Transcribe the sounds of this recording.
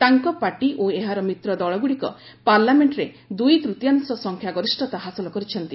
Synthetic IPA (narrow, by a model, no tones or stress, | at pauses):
t̪aŋkɔpaɾʈiʔoeɦaɾɔmit̪ɾɔd̪ɔɭɔɡuɽikɔ̰ | paɾlameɳʈɾe | d̪ujt̪ɾut̪jansɔsɔŋkʰjaɡɔɾisʈɔt̪aɦasɔlɔkɔɾit͡ʃʰɔnt̪i